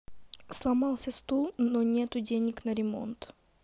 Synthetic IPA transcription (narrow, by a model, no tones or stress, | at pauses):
slˠɐmɑlˠsʲəst̪ulˠnonʲet̪ʊdʲenʲɪknəɾʲɪmo̞̰nt̪